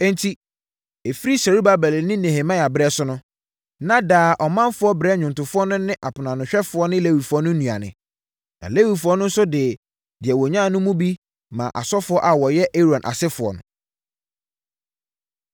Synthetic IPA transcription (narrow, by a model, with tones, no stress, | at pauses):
ɛ̃˦ntʰi˦ | e˨fi˦ɾi˦sa˨ɾu˦ba˨bɛ˨lnɪ̃˦ne˨he˨mã˦˨a˨bɾɛ˦sʊ˦nʊ̃˦ | nã˦daː˨ʔɔ˨mã˦mfʊ˦ɔ˦bɾɛ˦ɲᶣʊ̃˨ntʊ˨fʊ˦ɔ˦nʊ̃˦nɪ̃˦ʔa˨pʰʊ˨nã˨nʊ̃˨ɕᶣɛ˦fʊ˨ɔ˦nɪ̃˦le˦wi˨fʊ˨ɔ˦nʊ̃˦nũ˨a̰˨nɪ̰̃˨ | nã̰˨le˦wi˨fʊ˨˦ɔ˦nʊ̃˦n̩˦sʊ˦dɪ˨ | dɪ˨ɛ˨wɔ˨ɲã˦˨nʊ̃˦mũ˦bi˦ | mã̰˨ʔa̰˨sɔ˦fʊ˨˦ɔ˦ʔa˨wɔ˨jɛ˦ʔe˦ɾɔ̃˨nʔa̰˨sɪ˦fʊ˨ɔ̰˨nʊ̰̃˨